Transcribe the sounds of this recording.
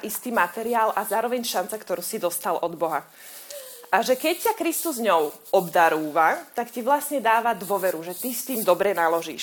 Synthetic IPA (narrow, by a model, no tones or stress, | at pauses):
ʔist̪iːmat̪ɛɾiaːlazaːɾɔʋɛɲʃant͡sakt̪ɔɾuːsid̪ɔst̪alʔɔd̪bɔɦa | ʔaʒɛkɛccakɾist̪uzɲɔʊʔɔbd̪aɾuːʋat̪akciʋlasɲɛd̪aːʋad̪ʋʊɔʋɛɾuʒɛt̪ist̪iːmd̪ɔbɾɛnalɔʒḭːʃ